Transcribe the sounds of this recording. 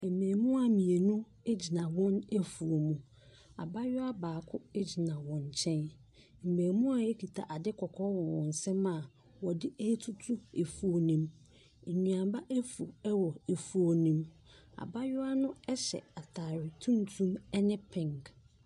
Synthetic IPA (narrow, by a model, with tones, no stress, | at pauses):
e˨m˨mẽː˨mũ˦a˨mĩ˨e˨nũ˦ | e˦d͡ʑi˨nã˨wɔ̃˦ne˦fu˨o˨mũ˨ | a̰˨ba˦jʊ˦a˦baː˨kʰʊ˦e˦d͡ʑi˨nã˨wɔ̃˨nt͡ɕʰɛ̃˦n | m̩˨mẽː˨mũ˦a˨e˦kʰi˨tʰa̰˨ʔa˨dɪ˦kʰɔ˨kʰɔ˦wɔ̃˨wɔ̃˨n̩˨sɛ̃˦mã˨ | wɔ˨dɪ˦e˦tʰu˦tʰu˦e˨fu˨o˨nĩ˨m | e˨ɲũ˨ã˨ba˦ʔe˦fu˨ɛ˦wɔ˨e˨fu˨o˨nĩ˨m | a̰˨ba˦jʊ˦a˦nʊ̃˦ɛ˦ɕɛ̰˨a˨tʰaː˨ɾɪ˨tʰũ˦n˦tʰũ˦mɛ˦nɪ̃˦pʰɪ̃˨ŋk